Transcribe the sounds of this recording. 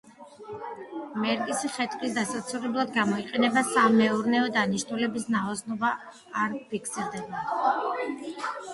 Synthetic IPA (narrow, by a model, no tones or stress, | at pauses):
mɛɾkʼisχɛt̪ʼqʼisd̪asat̪sʰuɾɛblˠad̪ɡamɔiqʼɛnɛbasamɛuɾnɛɔd̪aniʃnulɛbisnaɔsnɔbaː | ɾpʰikʰsiɾd̪ɛba